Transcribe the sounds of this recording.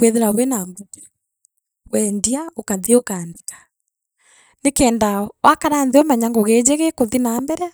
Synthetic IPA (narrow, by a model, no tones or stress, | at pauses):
weðeɾaβwenambuku̥ | wɛndiaokaðiokandi̥kḁ | nekɛːndawakaɾaːnðeɔmɛɲaŋɡoɣed͡ʑeɣekoðinambɛɾɛa